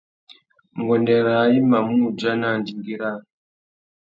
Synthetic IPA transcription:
ŋɡɔ˨ndɛ˨ɾa˨˦i˦ma˨mu˦˨d͡ʒa˦na˦˨ndi˨ŋɡi˦ɾa˦n

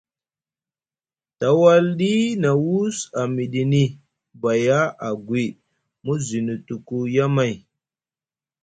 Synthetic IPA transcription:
ta˨wa˦lɗi˦na˨wu˦sa˨mi˨ɗi˨ni˦ | ba˨ja˦a˨ɡwi˨ | mu˦zi˨nu˨tu˨ku˦ja˦ma˨j

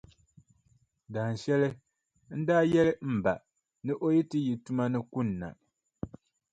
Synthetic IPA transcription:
daː˨n˨ʃɛ˦lɨ˦ | n̩˦daː˦jɛ˦lɨ˦m̩˨ba˨ʔ | nɨ˦ʔo˦ji˦tɨ˦ji˨tu˦ma˦nɨ˦ku˦nː˨a̰˨

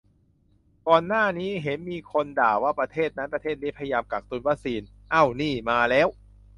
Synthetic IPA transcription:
kɔː˧nːaː˥˩niː˦˥ɦe˩˦nmiː˧kʰo˧ndaː˨˩waː˥˩pɾa˧t̪ʰeː˥˩t̪̚na˦˥npɾa˧eː˥˩a˥˩pʰa˧ja˧jaː˧mka˨˩k̚t̪u˧nwa˦˥k̚siː˧n | ʔa˥˩wniː˥˩maː˧lɛː˦˥˩w

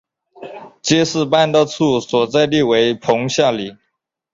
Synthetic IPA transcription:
t͡ɕjɛ˥ʂɹ̩˥˧pa˥˧nt̪ə˥˧t͡sʰu˥˩swɔ˨˩t͡sa˥˧ɪli˥˩we˧˥ɪpʰʊ˧˥ŋɕja˥˩li˨˩˦

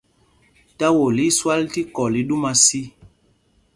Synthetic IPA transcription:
ta˦wo˨li˨˦swa˦lti˦kɔ˨li˨˦ɗu˦ma˦si˦

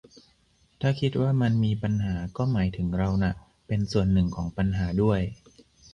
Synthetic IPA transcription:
t̪ʰaː˥˩kʰi˦˥t̪̚waː˥˩ma˧nmiː˧pa˧nɦaː˩˦kɔː˥˩maː˩˦jt̪ʰɯ˩˦ŋɾa˧wna˨˩ | pe˧nsu˨˩ənːɯ˨˩ŋkʰɔː˩˦ŋpa˧nɦaː˩˦du˥˩əj

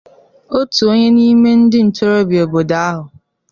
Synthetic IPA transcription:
o˦tu˨o˦ɲe˦ni˦me˦n̩˦dɪ˦n̩˨to˦ɾo˦bi˨o˨bo˨da˦a˦ɦʊ˨

